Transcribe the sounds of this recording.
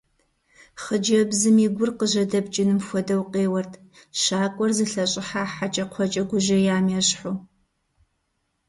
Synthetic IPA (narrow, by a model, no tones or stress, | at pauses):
χəd͡ʒɐbzɨmiːɡʷʊrqəʑɐdɐbt͡ʃʼɪnɨmxʷɔdɐwqeːwɐrtʰʃaːkʷʼɔrzɨɬɐɕʼɪħaːħat͡ʃʼɐqʷʰɔt͡ʃʼɐɡʷʊʒɐjaːmjɛɕħuː